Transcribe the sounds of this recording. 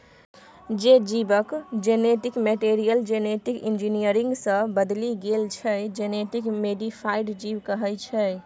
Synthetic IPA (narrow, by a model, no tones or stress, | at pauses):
d͡ʒed͡ʒibəkd͡ʒeneʈikmeʈeɾijəld͡ʒeneʈikind͡ʒinijəɾiŋɡsə̃bəd̪liɡelt͡ʃʰɛd͡ʒeneʈikmeɖipʰaiɖd͡ʒibkəɦɛlt͡ʃʰɛ